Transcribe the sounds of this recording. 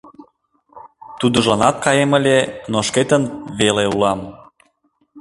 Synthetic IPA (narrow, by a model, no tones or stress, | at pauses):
t̪ud̪ə̆ʒɑnɑt̪̚kɑjemə̆lʲenoʃket̪ənβeleulɑm